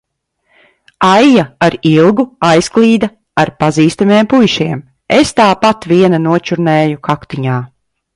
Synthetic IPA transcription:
ajjaaɾilˠɡuajsklˠiːd̪a | aɾpaziːst̪ameɛmpujʃiɛm | est̪aːpat̪viɛnanuɔt͡ʃuɾnɛːjukʰakt̪iɲaː

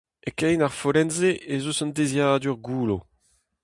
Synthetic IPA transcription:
ekɛjnaʁfoɾɛnzeʔezosɑ̃ndezjaːdyʁɡuːlo

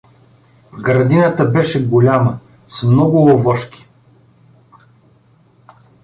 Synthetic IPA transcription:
ɡɾɐd̪inət̪əbɛʃɛɡolʲamə | smnɔɡʊovɔʃkʲi̥

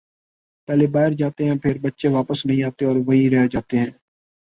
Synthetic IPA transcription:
pɛːlebaːɪɾd͡ʒaːt̪eɦɛ̃ːpʰɪɾbətːʃeʋaːpəsnəɦĩːaːt̪eɔːɾʋəɦiɾɛɦed͡ʒaːt̪eɦɛ̃ː

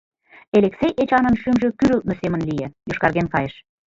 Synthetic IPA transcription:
eleksejʔet͡ɕɑnə̆nʃymʒø̆kyɾylt̪̚nosemə̆nlijejoʃkɑrɣenkɑjeʃ

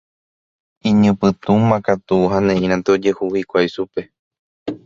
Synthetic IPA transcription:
ĩɲɨ̃pɨt̪umãkat̪uɦãnẽĩɾ̃ãnt̪eod͡ʒehuhikʷajʃupe̞

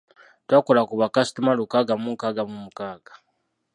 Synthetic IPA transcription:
twaːkolakuβakasi̥tumalukaːɡamukaɡamumukaːɡḁ

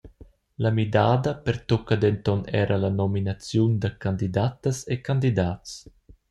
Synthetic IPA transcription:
lamid̪aːd̪əpeɾt̪ɔkəd̪ɛnt̪ɔnɛːɾʔəlanɔminat͡sjund̪əkand̪id̪at̪əsekand̪id̪aːts

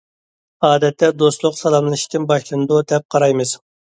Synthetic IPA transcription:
ɑːd̪ɛt̪ːɛd̪oslˠʊqsɑlˠɑmlˠɨʃi̥t̪ʰɪnbɑʃlˠɨnɨd̪ud̪ɛp̚qʰɑɾɑjmɨz̥

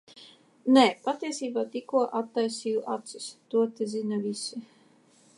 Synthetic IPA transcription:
nɛpat̪iɛsiːbaːt̪ikuɔʔat̪ːajsiːjuʔat̪sist̪uɔt̪izinavisi

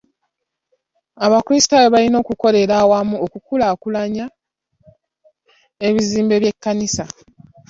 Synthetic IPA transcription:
aβakulisi̥taweβalino̞ːkuko̞ɾe̞ɾawamuokukulakulaɲa | eβiziːmbe̞βje̞kːanisa

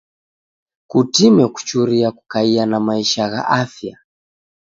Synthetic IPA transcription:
kutimɛku̥t͡ʃuɾiaku̥kaianamaiʃaɣa̰ʔafja̰

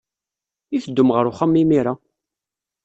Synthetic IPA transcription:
ifəd̪ːʊmʁəɾʊχamːimiɾa

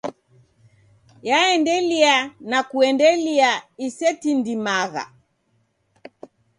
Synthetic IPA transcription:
jaɛndɛlianakuɛndɛliaisɛtindimaɣa̰

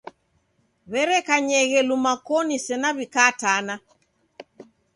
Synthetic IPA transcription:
βɛɾɛkaɲɛɣɛlumakɔnisɛnaβikaːtana

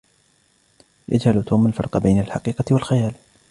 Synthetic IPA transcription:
jʔa̰d͡ʒhalt̪uːmalfɑ̰ɾˤqɑbajnalħɑqiːqɑt̪walxajaːl

